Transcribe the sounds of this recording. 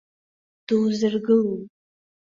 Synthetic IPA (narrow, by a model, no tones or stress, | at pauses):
d̥ɨwzɨrɡɨlu